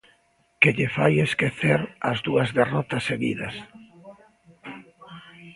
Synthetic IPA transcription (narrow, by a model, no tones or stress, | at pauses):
keʎefajeskeθeɾɐzðuɐzðerɔt̪ɐseɣḭðɐ̰s